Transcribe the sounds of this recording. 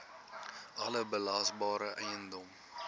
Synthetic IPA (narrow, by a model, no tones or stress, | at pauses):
ɐləbəlɐːsbɑːɾəʔɛjəndɔm